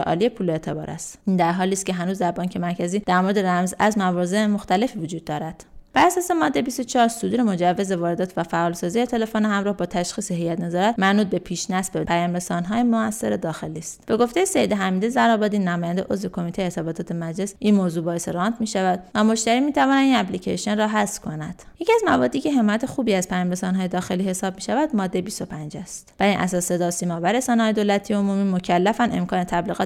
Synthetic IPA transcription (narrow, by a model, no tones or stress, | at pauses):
eʔɒ̰ːlije̞pʰuːlet̪ʰe̞bɒ̰ːɾʔæ̰st̪ind̪æɾɦɒːliːst̪̚cʰe̞ɦænuːzd̪æɾbɒːŋcʰe̞mæɾcʰæziːd̪̥æɾmo̞ɾed̪eɾæmzæzmævɒːze̞moxt̪æle̞fivod͡ʒuːd̪̚ːɒːɾæd̪̥b̥ææsɒːsemɒd̪ːebist̪ot͡ʃʰɒːɾsod̪uːɾemo̞d͡ʒævːe̞zevɒːɾe̞d̪ɒːt̪ʰvæfæʔɒːlsɒːzijet̪ʰe̞lefoniɦæmɾɒːhbɒːt̪ʰæʃxiːseɦejːæt̪nezɒːɾæt̪mænuːd̪̚be̞pʰiːʃnæsbepʰæjɒːmɾe̞sɒːnɦɒːjemoæsːeɾe̞d̪ɒːxe̞liːst̪b̥e̞ɡo̞ft̪ejesejed̪eɦæmiːd̪izæɾɒːbɒd̪iːnːæmɒːjænd̪eʔozve̞kʰo̞miːt̪ʰejeesɑbɒːt̪ʰɒːt̪ʰe̞mæd͡ʒle̞sʔinmozuːbɒːeseɾɒnt̪ʰmiːʃævæd̪̥væmo̞ʃt̪æɾiːmiːt̪ʰævɒːnæd̪inæplicʰḛʃijonrɒːɦæsfkʰo̞næd̥je̞cʰiæzmævɒːd̪ːiːcʰe̞ɦe̞mɒjæt̪ʰexuːbiːæz̥pʰæjɒːmɾesɒːnɦɒːje̞d̪ɒːxe̞lihe̞sɒːb̚miːʃævæd̪mɒːd̪ːe̞jebist̪o̞pʰænd͡ʒæst̪væiːnʔæ̰sɒːse̞d̪ɒːsiːmɒːvæɾesɒːnehɒːjed̪olæt̪ʰiːomumiːmocʰælːæfænʔe̞̰mkʰɒːne̞t̪ʰæbliɣɒː